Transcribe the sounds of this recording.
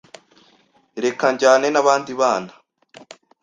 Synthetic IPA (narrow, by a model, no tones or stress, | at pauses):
ɾe̞kaɲɟaːne̞naβaːndiβaːna